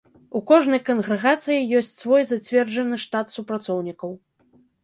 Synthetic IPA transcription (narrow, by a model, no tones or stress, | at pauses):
ukɔʐnɐjkɐnɣɾɛɣat̪sɨjijɔsʲt͡sʲsvɔjzat͡sʲvʲɛrd͡ʐɐnɨʂt̪at̪supɾat̪sɔwnʲikɐw